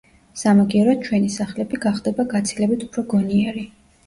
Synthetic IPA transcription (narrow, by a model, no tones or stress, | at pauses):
samaɡiɛɾɔt͡ʃʰwɛnisaχlɛbiɡaχd̪ɛbaɡat̪sʰilɛbit̪ʰu̥pʰɾɔɡɔniɛɾi